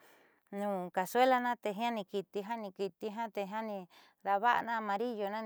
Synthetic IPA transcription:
nũː˨ka˨se˦la˧nã˦t̪e˧ɦã˦nĩ˧ki˧t̪i˧ɦã˦nĩ˧ki˧t̪i˧ɦã˦t̪e˧ɦã˦nĩ˧ | ɾa˧βa˦ʔa̰˧nã˦˧mã˧ɾi˦jo˧nã˦

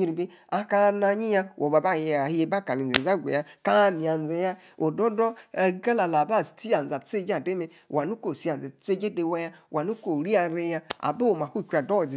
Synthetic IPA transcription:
ɲi˦˨ɾi˨be˦ | a˦ka˦na˧ɲi˦ja˦wʔo˨ba˨ba˦˨je˨˦je˧˦ba˦˨ka˨li˨ḛ˨n˨a˦˨ɡʷḛ˨ja˦ka˦ni˨a˨n̩˨ze˨ja˦ | o˨do˦dɔ˦˨˦ɡa˦la˨la˨ba˦˨si̥˨ti˦a˨a˨˦t͡se˦d͡ʒa˦˨de˦me˨˦ | wa˨nu˦ko˨si˦a˨n˨ze˨˦t͡se˦d͡ʒe˦de˨wa˦ja˦wʔa˨nu˦ko˨ɾi˦a˨ɾe˧ja˦a̰˨be˦o˨ma˨hu˦˨kʷa˨do˦˨zi˨

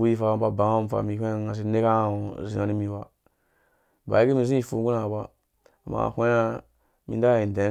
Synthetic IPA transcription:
u˦i˦fa˨ba˦ba˨ŋa˦m˨fa̰˨mi˨kʷẽ˦a˦ŋa˨s̬i˦ne˦ka˦˨o˨zi˨na˨ni˦mi˨ba˨ | ba̰˨i˦ki˦mi˨zĩ˦i˨fṵ˨˦ɡu˦na˨ba˦ | a˨ma̰˨kʷe˦a˦ | mḭ˨n˦da˦˨i˨n˨dẽ˨˦

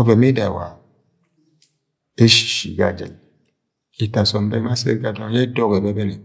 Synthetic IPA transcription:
o˦be˨mi˦da˨wa̰˨ | e˦ʃi̥˨ʃḭ˨ɡa̰˨d͡ʒḛ˨n | i˨ta˨sɔ˨m˦be˦ma˦sḛ˦ɡa˨dɔ˦je˦do˦ke˨be˦be˦ne˨

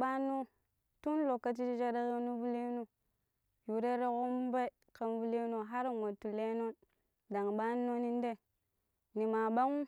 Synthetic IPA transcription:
ba˦nːu˦ | tu˦n˦lo˨kːa˦t͡ʃ̬i˦i˦d͡ʒe˦ɾa˦ɣi˦nu˦vu˦li˦nu˦ | ju˨ɾe˦ɾe˦ɣo˦m˦be˦ | ka˨nvu˦li˦no˨ɦa˦ɾŋo˨tu˨le˦no˦n | da˨ŋɓa˦nːo˦ni˦n˦de˦ | ni˨ma˨ba˦ŋu˦

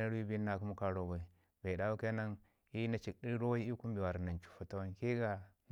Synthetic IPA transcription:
a˦ɾi˦bi˦na˨ku˦mu˦ka˨ɾo˨ɡo˨ | be˨da˦wu˦ke˦na˦ŋ | i˦na˨t͡ʃi˨kɗi˦ɾɾo˦wi˦i˦ku˦m˦bi˨wa˨ɾna˨nt͡ʃu̥˨fa˨ta˦wa˦˨nki˦ɡa˨n

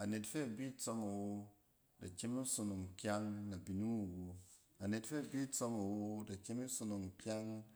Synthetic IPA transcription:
a˨ne˨tfe˦a˨bi˦t͡so˧ma˨wo˧ | da˨t͡ʃe˦mi˦so˧no˨ŋkʲa˦ŋna˨bi˨nu˦mu˨wo˨ | a˨ne˨tfe˦˨bi˦t͡so˧ma˨wo˧da˨kʲe˦mi˦so˧no˨ŋkʲa˦ŋ

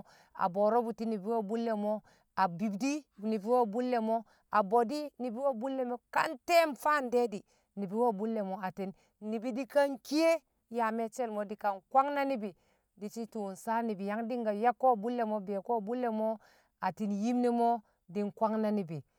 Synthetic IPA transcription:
a̰˨bo˨ɾo˦bu˨ti˦ni˨bi˦wo˦˨bu˦lːe˨mo˦ | a˨bi˨bdi˦ni˨bi˨˦wo˦˨bu˦lːe˨mo˦ | a˨bo˨di˦ni˨bi˦wo˦bu˦lːe˨mo˦ka̰˦nte˦mfa˦˨nde˦di˨ | ni˨bi˨wo˦˨bu˦lːe˨mo˦a˨ti˨nː | i˨bi˦di˦ka˦ŋki˦je˦ | ja˨me˦t͡ʃe˦lmo˦di˨ka˨nkwa˦ŋna˦ni˦bi˨ | di˨t͡ʃi˦tu˨nsa˦ni˨bi˨ja˦ŋdi˦ŋɡa˨ja˦kːo˦˨bu˦lːe˨mo˦be˨ko˦˨bu˦lːe˨mo˦ | a˨ti˨nji˦mni˦mo˦ | di˦nkʷa˦ŋna˦ni˨bi˨

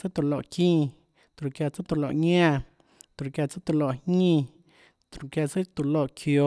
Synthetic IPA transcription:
t͡sɨ˦t̪u˧˨lo˧˨kĩ˧ | t̪u˨ɾkja˧t͡sɨ˦t̪u˧˨lo˧˨ʔɲã˦˧ | t̪u˨˧kja˧t͡sa˦t̪u˧lo˧˨hɲĩ˧ | t̪u˨ɾkja˧t͡sɨ˦t̪u˨lo˧˨ʔkʰjo˧˦

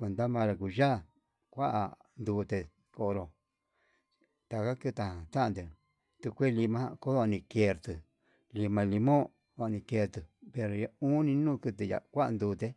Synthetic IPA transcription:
kʷe˨˧nd̪a˦mã˧ɾa˧ku˨ʒa˦˨ | kʷa˦ʔa̰˧ | nd̪uː˧t̪e˧ | ko˧ʔɾo˧ | t̪a˧ka˦kɨ˦t̪a˧hã˨t̪a˦ʔã˧nd̪e˨ | t̪u˧kʷe˦˧li˧mã˦˧ko˦ðo˧nĩ˧ke˧ɾt̪ɨ˨ | li˧mã˧li˧mõ˦ | o˧a˧nĩ˧ke˧ɾt̪ɨ˨pe˧ɾo˨˧ja˧u˦nĩ˧nũː˦˨˧kɨ˧t̪ɨ˧ja̰˨kʷa˦ʔa̰˧nd̪uː˧t̪e˧

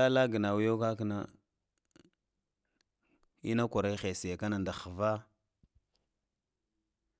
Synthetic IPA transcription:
a˦la˦ɡə˨na˨wu˦jo˦ka˦kna˦ | ḭ˦na˦kʷa˨ɾa˦xe˨si˨ja˨ka˦na˨nda˨xa˨va˦

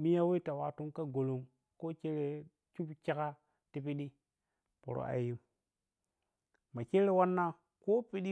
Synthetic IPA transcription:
mi˦ja˦we˦ta˨wa˨tu˦ŋka˦ɡo˨lo˨m | ko˦ke˦ɾe˨ | t͡ʃu˦bt͡ʃe˦ka˦ | ti˦pi˦ɗi˦ | po̰˨ɾo̰˨ʔa̰˨ju˦m | ma˨ke˦ɾe˦wa˦nːa˦ | ko˦pi˦ɗi˦

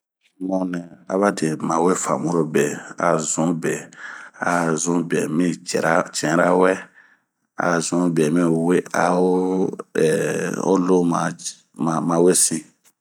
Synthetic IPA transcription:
mɔ̃˦nɛ̃˨a˨˦βa˦dẽ˨mã˨we˦fa̰˨mũ˦ɾo˦bɛ˨a̰˨zũ˨˦bɛ˨a˨zũ˦bɛ˨mĩ˦t͡ʃɛ̰˨ɾa˦t͡ʃɛ̃˨˦ɾa˦wɛ˦ | a̰˨zũ˨˦bɛ˨mĩ˦we˦a̰˦o˦ɛ˨o̰˦lo˦ma̰˨ | ma˨mã˨we˦si˦

